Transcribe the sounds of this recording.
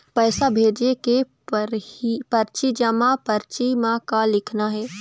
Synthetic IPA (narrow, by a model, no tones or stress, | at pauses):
pɛːsabʱeːd͡ʒeke | pɾpɐɾt͡ʃid͡ʒəmãpɐɾt͡ʃimãkalɪkʰnaɦɛː